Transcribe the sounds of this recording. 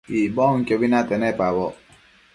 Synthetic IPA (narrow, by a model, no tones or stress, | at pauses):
ibɔŋkjɔbinat̪ɛnɛpabɔ